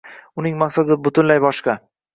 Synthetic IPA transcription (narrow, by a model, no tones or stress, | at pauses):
ʊnɪŋmaqsad̪ɪbʊt̪ʰʊnlajbɒʃqɑ